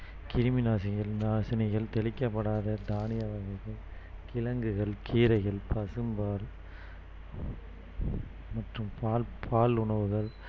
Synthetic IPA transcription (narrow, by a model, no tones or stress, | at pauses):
kɪɾɯmɪnaːsɪɣɐɭnaːsɪnɐɪɣɐɭt̪ɛɭɪkːɐpːɐɽaːðɐd̪aːnɪjɐʋɐɣɐɪɣɐɭkɪlɐŋɡɯɣɐɭkʰiːɾɐɪɣɐɭpɐsɯmbaːɾ | mɐʈrɯmpaːlpʰaːlʊɳɐʋɯɣɐɭ